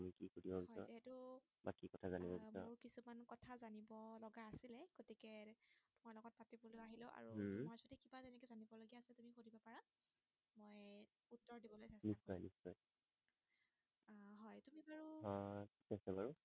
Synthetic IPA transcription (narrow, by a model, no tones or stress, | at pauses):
tamikikodiɔhɔjɔɛtu | bakikɔtʰazanibɔkmaʊɹkisumankɔtʰazanibɔlɔɡaːsilɛɡotikɛtʊmalɔɡɔt̚patibɔlojaɦiloʔa̰ɹumasɔtikibazɛnɛkɛzanibɔloɡiaːsɛtumixodibɔpaɹa | moj | utːɔɹdibɔlojsɛsniasɔjnisːɔj | ɦɔjtumibaɹuɦɔsɛsɛbaɹu